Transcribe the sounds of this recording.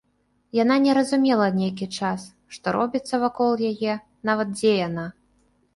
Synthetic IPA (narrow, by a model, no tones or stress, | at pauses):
jananʲɛɾɐzumʲɛlˠɐnʲejk̬ʲit͡ʂas | ʂt̪ɔɾɔbʲit̪sːɐvakɔlˠjajɛ | n̪avɐt̪̚d͡zʲɛjana